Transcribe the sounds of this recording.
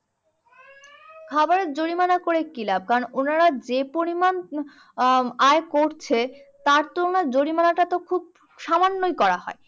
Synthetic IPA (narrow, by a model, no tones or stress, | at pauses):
kʰabaɾeɾd͡ʑoɽimanakoɾekilab̚kaɾononaɾad͡ʑepoɾiman | aekoɾt͡ɕʰet̪aɾt̪oonaɾd͡ʑoɾimanaʈat̪okʰub̚ | ʃamanːojkɔɾaɦɔ̰e